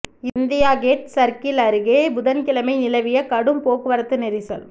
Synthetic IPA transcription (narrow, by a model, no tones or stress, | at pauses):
ɪnd̪ɪjaːɡeːʈ̚sɐɾkɪlɐɾɯɣeːbʊðɐnkɪlɐmɐɪnɪlɐʋɪjɐkɐɽɯmpoːkɯʋɐɾɐt̪ːɯnɛɾɪsɐl